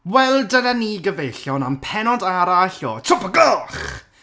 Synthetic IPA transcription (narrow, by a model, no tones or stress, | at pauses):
wɛlˠdənaniːɡəvejɬjɔnampʰɛnɔdaɾaɬjɔtʰʊpəɡɔχ